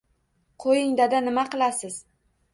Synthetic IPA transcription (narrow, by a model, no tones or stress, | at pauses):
qʰojɪŋd̪ad̪anɪmaqɨlˠasɪz̥